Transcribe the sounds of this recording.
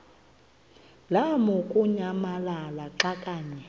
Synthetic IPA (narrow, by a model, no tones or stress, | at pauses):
lamukʼuɲamalalaǃakʼaːɲɛ